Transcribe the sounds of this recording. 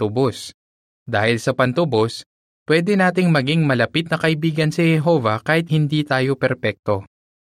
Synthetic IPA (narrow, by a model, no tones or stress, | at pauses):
t̪ʊbos | d̪aːhɪlsɐpɐnt̪ʊbo̞s | pwɛːd̪ɛnaːt̪̬ɪŋmɐɡiŋmɐlɐpit̪̚nɐkɐʔɪbiːɡɐnsihɛɦoːvɐkaːhɪt̪̚hɪnd̪iːt̪aːjo̞pɛɾpɛk̚t̪o̞